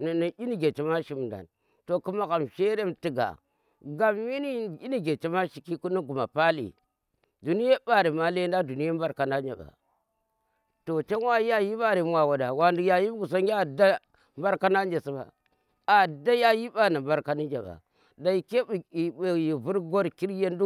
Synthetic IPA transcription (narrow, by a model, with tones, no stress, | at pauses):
n˨ni˨i˦ni˦ɡe˨t͡ʃe˦ma˦ʃi˦m˨da̰˨n | to˨ku˦ma˦ka˨mʃe˦ɾe˦mti˨ɡa̰˨ | ɡa˨mmi˦ni˦˨i˦ni˦ɡe˨t͡ʃe˦ma˦ʃi˨ki˦ku˦ni˦ɡu˨ma̰˨pa˦lḭ˨ | du˨ni˦je˦ɓa˨ɾi˨ma˦le˦n˦da˦du˨ni˦ja˦mba˦ɾka˨na˦ɲd͡ʒa̰˨ba̰˨ | to˨t͡ʃe˦wa˦ji˦ja˦ji˦ɓa˦ɾi˨m˦wa˨wo˨da˨wa˨ndi˨ja˨ji˦ɡu˨s̬o˦ŋʲ˦a˦˨da˦ | mba˦ɾka˦na˦nd͡ʒe˨si˦ba̰˨ | a˨da˦ja˦ji˦ɓa˦na˨mba˦ɾka˦ni˦d͡ʒa̰˨ɓa̰˨ | da˨i˨ke˦˨i˨e˨ji˨vu˦ɾɡo˦ɾki˦ɾje˦n˦du˦